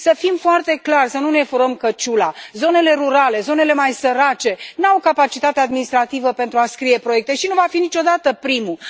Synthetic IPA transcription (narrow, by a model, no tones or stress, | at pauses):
səfimfoart̪e̞klarsənunefuɾəmkət͡ʃulazo̞ne̞le̞ɾuɾale̞zo̞ne̞le̞majsəɾat͡ʃe̞nawkapat͡ʃit̪at̪ead̪minist̪ɾat̪ivəpe̞nt̪ɾuaskɾije̞pɾoek̚t̪e̞ʃinuvafinit͡ʃo̞d̪at̪əpɾimu